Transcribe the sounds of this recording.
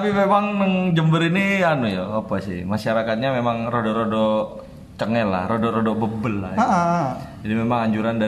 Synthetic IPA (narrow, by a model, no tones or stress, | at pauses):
apimemaŋnəŋd͡ʒəmbəɾinianujaopasɪ̰maʃaɾakat̪̚ɲamemaŋrodoɾodo | t͡ʃəŋɛla̰hɾodoɾodobəbəlːa̰j | d͡ʒadimemaŋaɲd͡ʒuɾanda